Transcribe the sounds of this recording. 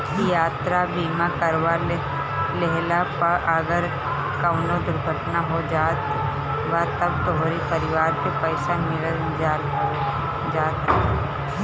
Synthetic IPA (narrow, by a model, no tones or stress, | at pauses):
kijaːt̪ɾabiːmakəɾʋa | leɦlapɐʔəɡəɾ | kəʋnod̪ʊɾɡʱəʈnaɦod͡ʒaːt̪ | ʋat̪ɐb̚t̪oɦɾipɐɾɪʋaːɾkepɛɪʃanɪɾə | d͡ʒa | d͡ʒaːt̪ː